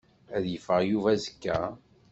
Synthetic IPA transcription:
æðjəfəʁjuvæzəkːæ

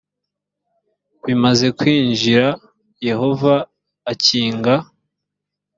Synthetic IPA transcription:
βimaze̞kwiːnʒiɾa | je̞ho̞vaː | ciːŋɡa

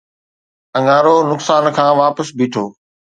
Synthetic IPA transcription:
ɐ̃ŋaːɾonʊksaːnkʰãːʋaːpəsbʱiːʈʰoː

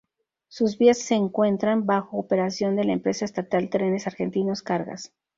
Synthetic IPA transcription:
suzβiasːe̞ːŋkwe̞nt̪ɾambaxo̞ːpe̞ɾasjo̞nd̪e̞laempɾe̞saest̪at̪alt̪ɾe̞ne̞saɾxe̞nt̪ino̞skaɾɣa̰s

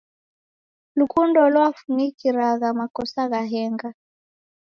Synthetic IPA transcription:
lukundɔlɔafumikiɾaɣamakɔsaɣaɦɛŋɡa

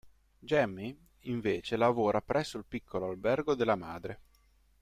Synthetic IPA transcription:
d͡ʒɛmːi | iɱveːt͡ʃelavoːɾapɾʔɛsːoilpikʰːoloalbɛrɡod̪elːamaːd̪ɾe

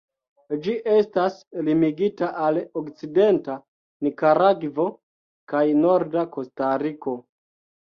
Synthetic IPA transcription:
d͡ʒiʔe̞staslimiɡitaʔalokt͡side̞nta | nikaɾaɡvo̞ | kajno̞ɾdako̞staɾiko̞

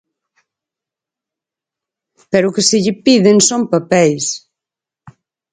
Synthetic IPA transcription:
pɛɾʊkɪsɪʎɪpiðeŋsompapɛjs

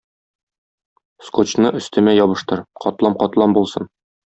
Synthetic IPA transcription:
skot͡ɕnɤʔɵ̆st̪ɘ̆mæjɒβɤ̆ʃt̪ɤɾqɒt̪lˠɑmqɒt̪lˠɑmbulˠsɤn

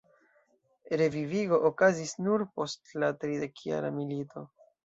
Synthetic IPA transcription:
ɾe̞viviɡo̞ʔokazisnuɾpo̞stlatɾide̞kʰja̰ɾamilito̞

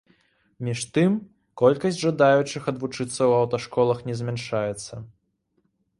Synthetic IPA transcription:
mʲiʂt̪ɨm | kɔlʲkɐsʲd͡zʲʐad̪ajut͡ʂɨxɐd̪vut͡ʂɨt̪sːɐwɐwt̪ɐʂkɔlˠɐxnʲɛzʲmʲanʂajɛt̪sːɐ

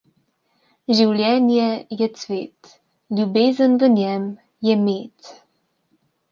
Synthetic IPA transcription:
ʒiwlʲjɛːnjɛjɛt̪sʋḛːt̪ | lʲjubeːzənvənʲjɛm | jɛmeːt̪

